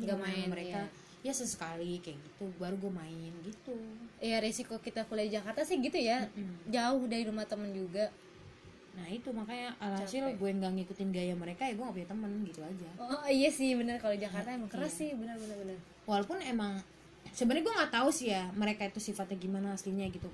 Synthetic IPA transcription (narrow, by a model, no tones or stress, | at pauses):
ŋɡamaɪnməɾeka | jasəsə̥kalikajaɡit̪ubaɾuɡuamaɪnɡit̪ujaɾesikokit̪akulaid͡ʒakart̪asɪhɡit̪ujad͡ʒaʊhdaɾiɾumaht̪əmənd͡ʒuɡa | nahit̪umakajaʔalasilɡuajaŋɡaŋikut̪ɪnɡajaməɾekajaɡuaŋapuɲat̪əmənɡit̪uad͡ʒaoijasɪhbənərkalod͡ʒakart̪aemaŋkəɾasɪhbənəbənəbənər | walopʊnemaŋ | səbənaɡuaŋɡat̪ausɪhjaməɾekait̪usifat̪̚jaɡimanaːsliɲaɡit̪u